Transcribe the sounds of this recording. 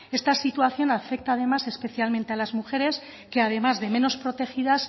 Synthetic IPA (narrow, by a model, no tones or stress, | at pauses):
e̞st̪asit̪uaθjo̞nafe̞k̚t̪aːð̞e̞mase̞spe̞θjalmẽnt̪ealazmuxe̞ɾe̞s | ke̞að̞e̞mazðe̞mẽ̞no̞spɾo̞t̪e̞xiðas